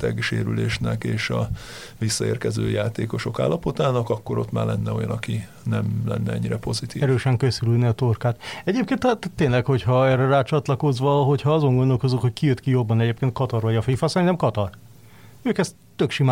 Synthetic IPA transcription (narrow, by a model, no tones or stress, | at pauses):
t̪ɛɡʃeːɾyleːʃnɛkeːʃɒ | ʋisːɒeːrkɛzøːjaːt̪eːko̞ʃo̞ka̰ːlːɒpo̞t̪aːnɒkɒkːo̞ɾo̞t̪ma̰ːrlɛnːɛo̞jɒnɒki | nɛmlɛ̰nːɛɛ̰ɲːiɾɛpo̞zit̪iːɾøːʃɛŋkø̞sylyd̪nɛɒt̪orkaːt̪ɛɟeːpkeːnt̪ɒt̪ːeːnlɛkho̞chɒɛrɛraːt͡ʃɒt̪lɒko̞zʋɒɦo̞cʰhɒɒzo̞ŋɡond̪o̞lko̞zukhockijøt̪kijo̞bːɒnɛɟeːp̚keːnt̪̚kɒt̪ɒrvɒɟɒfifɒsɛɾint̪ɛmkɒt̪ɒr | øːkɛst̪ːøkʃima